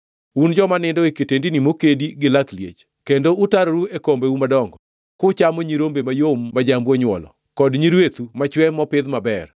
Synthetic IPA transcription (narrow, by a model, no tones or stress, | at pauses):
und͡ʒɔmanɪndɔeketendinimokediɡɪlakljḛt͡ʃ | kendoʊtaɾoɾuekombeumadɔŋɡɔ | kʊt͡ʃamɔɲiɾombemajomːad͡ʒambwɔɲwɔ̰lɔ̰ | kɔdɲiɾwet̪umat͡ʃwɛmːɔpɪd̪mabɛr